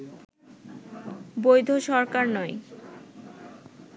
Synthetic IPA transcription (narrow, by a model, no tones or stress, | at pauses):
bojd̪ʱoʃɔɾkaɾnɔj